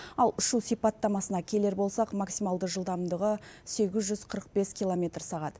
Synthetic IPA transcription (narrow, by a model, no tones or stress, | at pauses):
ɑlˠʏʃusijpɑt̪ːɑmɑsənɑkʲʰe̞le̞ɾbo̞lˠsɑqmɑksijmɑlˠd̪əʒəlˠd̪ɑmd̪əʁəse̞ɡʲɪzʒʏzqʰəɾəq̚be̞skʲilˠomʲe̞t̪rsɑʁɑd̪ə